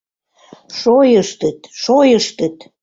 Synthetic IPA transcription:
ʃojəʃt̪ət̪ʃojəʃt̪ət̪

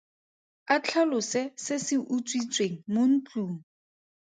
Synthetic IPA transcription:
at͡ɬʰalʊsɪsɪsɪʔut͡sʼwit͡sʼweŋ̩mon̩t͡ɬʼuːŋ̩

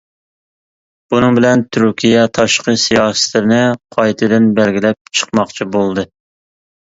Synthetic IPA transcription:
b̥unɨŋbɪlɛnt̪ʰyɾkʲʰijɛt̪ʰɑʃqəsijɑːsɨ̥t̪lɪɾnɪqʰɑjt̪ʰɨd̪ɪnbɛlɡʲilɛp̚t͡ʃʰə̥qmɑχt͡ʃʰibolˠd̪ɨ

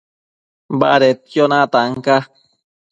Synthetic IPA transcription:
ba̰ɾet̪̚jonãt̪aŋka

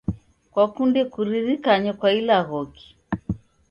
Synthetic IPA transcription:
kwakundɛkuɾiɾikaɲɔkwailaɣɔki̥

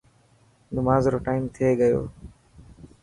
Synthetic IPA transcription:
nʊmaːzɾoːʈaːimt̪ʰieːɡəjo̰ː

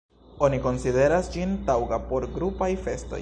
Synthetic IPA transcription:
o̞niko̞nside̞ɾasd͡ʒintawɡapo̞ɾɡɾupajfe̞sto̞̰

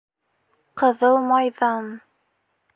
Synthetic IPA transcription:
qɤ̆ðɤlˠmɑjðɑn

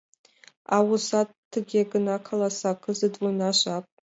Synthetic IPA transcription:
awusatʰːɨɡʲiaɡɨnakʰalasakʰɨzɨdwinaʃʷapʼ

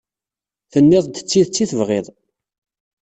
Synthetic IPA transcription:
θənːɪðˤd̪ət͡sːiðt͡sːiθəvʁɪðˤ

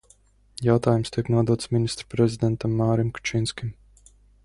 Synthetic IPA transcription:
jawt̪aːjumst̪iɛknuɔd̪uɔt̪smʲinist̪ɾpɾɛzʲid̪ɛnt̪amːaːɾimku̥t͡ʃinskʲim

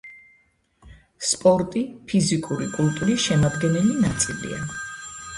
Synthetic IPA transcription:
spʼɔɾt̪ʼipʰizikʼuɾikʼult̪ʼuɾisʃɛmad̪ɡɛnɛlinat̪sʼilḭa̰

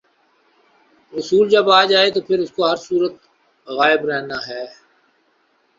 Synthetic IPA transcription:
ɾʊsuːld͡ʒɐbaːd͡ʒaːet̪opʰɪɾʊskoɦɐɾsuːɾət̪̚ | ɣaːɪbɾɛɦnaːɦɛː

